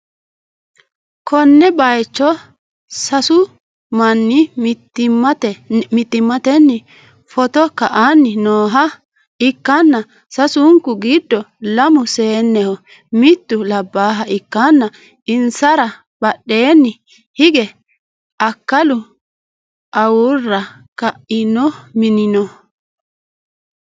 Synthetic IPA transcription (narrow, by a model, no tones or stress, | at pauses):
kʰɔnːɛbɐjt͡ʃːɔ | sɐsʊ | mɐnːɪ | t̪ɛɪt̪ːɪmːɐt̪ɛnːɪ | fɔt̪ɔkːɐʔanːɪnoːɦɐ | ɪkːɐnːɐ | sɐsʊŋkʊɡɪd̪ːɔlɐmʊse̞ːnːɛhɔ | mɪt̪ːʊlɐbːaːɦɐʔɪkːanːɐ | ɪnsɐɾɐ | b̥ɐɗːe̞ːnːɪ | hɪɡɛ | ɐkːɐlʊ | ʔɐwʊrːɐ | kɐʔɪnɔmɪnɪnɔ